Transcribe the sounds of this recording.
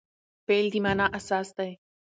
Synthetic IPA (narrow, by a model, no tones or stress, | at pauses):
peːld̪imaːnaʔɐsaːsd̪ɐe